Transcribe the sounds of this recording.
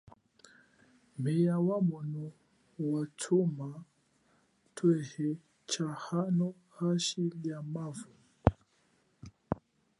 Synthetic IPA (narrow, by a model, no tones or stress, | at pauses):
mbɛjawamunu | watʰuma | tʰwɛhɛ | t͡ʃahanɔ | haʃilijamavu